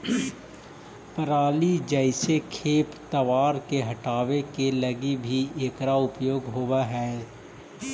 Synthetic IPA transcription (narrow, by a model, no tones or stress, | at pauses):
pəɾaːlid͡ʒəɪsekʰeːpt̪ɐʋaːɾkeɦɐʈaːʋekelɐɡibʱieːkɾaʊpjoːɡɦowaɦɛː